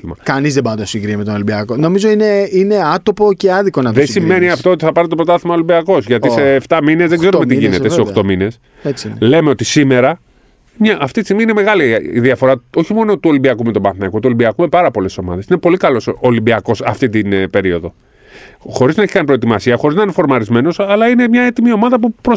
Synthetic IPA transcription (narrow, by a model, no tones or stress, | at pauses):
imɐ̰kɐnizðebɐnd̪ɐsĩŋɡɾimet̪onolibiɐkono̞mizo̞ineineɐt̪o̞po̞ceɐðikonɐðesimːe̞niɐft̪o̞ot̪iθɐpɐɾnt̪et̪opɾo̞t̪ɐθimɐolimbiɐko̞zʝɐt̪iseːft̪ɐmine̞zðeɡze̞ɾumet̪iʝinett̪eseoxt̪o̞mine̞s | et͡sle̞me̞o̞t̪isime̞ɾɐ | mɲɐʔːft̪it̪ist̪iɣmiineme̞ɣɐliḭðiɐfo̞ɾɐo̞çimo̞not̪uo̞limbiɐkume̞t̪o̞bɐnθnekut̪uolimbiɐkume̞pɐɾɐpo̞le̞so̞mɐ̰ðesine̞po̞likɐlo̞solimbiɐko̞sɐft̪it̪inpe̞ɾio̞ðo̞ | xo̞ɾiznɐeçi̥kɐnipɾo̞et̪imɐsiɐxo̞ɾiznɐinefo̞ɾmɐɾizme̞no̞sɐlɐine̞mɲɐe̞t̪imio̞mɐðɐpupɾo